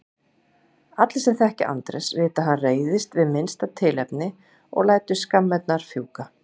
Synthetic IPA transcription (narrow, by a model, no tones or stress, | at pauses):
at̪lsɛmθɛhcɪʔa̰nt̪ɾɛ̰svɪːt̪aðɦanreːjðɪst̪vɪðmɪnst̪at̪ʰɪːlɛpnɪ | ɔ̰ɣlaːjt̪ʏskamːɛt̪naɾ̥fjuːka